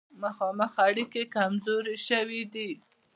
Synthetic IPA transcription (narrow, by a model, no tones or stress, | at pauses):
maxɑməxaɽikekamzoɾeʃəwid̪i